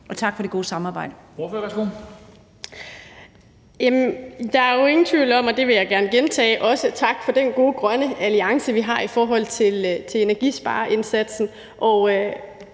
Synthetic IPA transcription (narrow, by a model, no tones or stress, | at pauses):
ɒ̽t͡sʰɑ̈ɡ̥fɒ̽ɾ̥e̝ɡ̥o̝ːsɑ̈mɑ̈ːb̥ɑ̈ɪ̰d̥ə̥oføɐʋæsɡ̥o | jæmnd̥ɑ̈æɐjo̝e̝ŋn̩t͡sʰʋiʊlɒ̽m̰ɒ̽d̥e̝ʋe̝jɑ̈ɪɡ̥æɐnəɡ̥ent͡sʰɛ̰ːɪʔɒ̽sət͡sʰɑ̈ɡ̥fɒ̽d̥enɡ̥o̝ːɡ̥ʁɶnəæliɑ̈ŋsəʋiɦɑ̈ifɒːɦɒ̽l̰t͡sʰe̝lt͡sʰe̝le̝næɐɡ̥isb̥ɑ̰̈ːʔe̝nsæd̥sn̩ | ʔɒʊ